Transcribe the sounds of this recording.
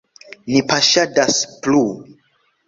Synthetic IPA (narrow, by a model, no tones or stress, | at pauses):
nipaʃadasplu